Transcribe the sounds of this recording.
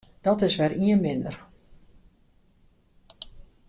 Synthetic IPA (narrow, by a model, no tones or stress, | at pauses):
d̥ɔtɪsʋɛriənmɪndə̰r